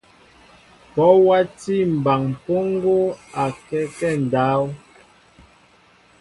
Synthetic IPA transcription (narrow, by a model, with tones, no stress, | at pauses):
pɔ˨˦wa˦ti˦˨m̩˨ba˨ŋ˨po˦ŋ˦ɡo˦a˨kɛ˦kɛ˦˨n˨da˨˦w